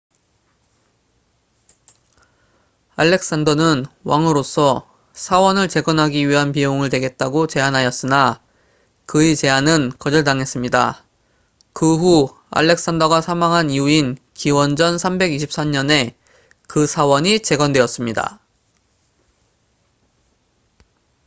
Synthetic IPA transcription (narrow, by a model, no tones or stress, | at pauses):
aɭːe̞k̚s͈andʌnɯnwaŋɯɾosʰʌ | sʰawʌnɯɭt͡ɕe̞ɡʌnɦaɡiɥiɦanp̬ijoŋɯɭdwe̞ɡe̞t̚t͈aɡot͡ɕe̞ɦanɦajʌs͈ɯna | kɯet͡ɕe̞anɯnkʌd͡ʑʌɭtaŋɦe̞s͈ɯmɲida̰ | kɯɸu | a̰ɭːe̞k̚s͈andʌɡasʰamaŋɦaniuin | kiwʌnd͡ʑʌnsʰambe̞ɡiɕʰip̚s͈amɲʌne̞ | kɯsʰawʌɲit͡ɕe̞ɡʌndwe̞ʌs͈ɯmɲida̰